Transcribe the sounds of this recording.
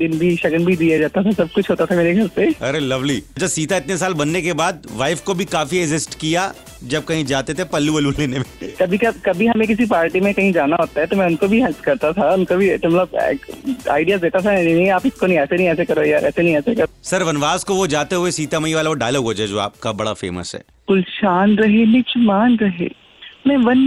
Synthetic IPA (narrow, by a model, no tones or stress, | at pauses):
d̪ɪnbʱiʃɐɡənbʱid̪ijad͡ʒaːt̪at̪ʰasɐb̚kʊt͡ʃʰɦoːt̪at̪ʰameːɾeɡʱɐɾseɐɾelɐʋliɐt͡ʃʰasiːt̪aɪt̪nesaːlbɐnːekebaːd̪̚ʋaːɪfkobʱikaːfiɛɡzɪsʈkija | d͡ʒɐb̚kɐɦĩd͡ʒaːt̪et̪ʰepɐlːuʋɐluleːnemẽkɐbʱikɐkɐbʱiɦɐmẽk̬ɪs̬ipaːɾʈimẽkɐɦĩd͡ʒaːnaɦoːt̪aɦɛt̪omɛ̃ʊnkobʱiɦɐd͡ʒkɐɾt̪at̪ʰaʊnkobʱit̪mɐt̪ləbɛ̰a̰ːɪɖijaːd̪eːt̪at̪ʰaninɐɦĩaːpɪskonɐɦĩɛːsenɐ̃ɦĩɛːsekɐɾojaɛ̰ːsenɐ̃ɦĩɛːsekɐɾosɐɾʋɐnʋaːskoʋod͡ʒaːt̪eɦuesiːt̪amɐiʋaːlaʋoɖaːlɔːɡɦoːd͡ʒaɛd͡ʒoːa̰ːp̚kabɐɽa̰fḛːmə̰sɦɛ̰ː | kʊlʃaːnɾɐɦelɪt͡ʃmaːnɾɐɦḛː | mɛ̃ːʋɐn